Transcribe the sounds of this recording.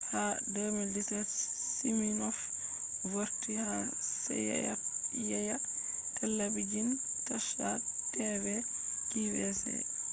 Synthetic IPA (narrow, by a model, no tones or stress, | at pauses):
hadomilditɾɛt | siminɔf | woɾtihasɛ̰jɛ̰ja̰jaja | kalːabid͡ʒin | taʃatɛvɛ | kiwɛsɛ̰